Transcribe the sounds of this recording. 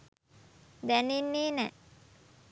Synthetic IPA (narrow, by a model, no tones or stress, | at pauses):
d̪æninːeːnɛ